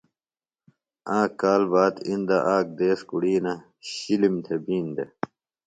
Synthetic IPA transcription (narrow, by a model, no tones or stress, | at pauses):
ãːkaːlbaːt̪ind̪aʔaːk̚d̪eːskuɽiːnɐ | ɕilimt̪ʰebiːnd̪e